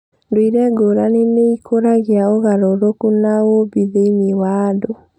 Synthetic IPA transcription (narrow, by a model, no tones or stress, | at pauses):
ndoiɾɛɡoɾaneneikʰoɾaɣiaoɣaɾoɾokunawobiðeiniwaːdo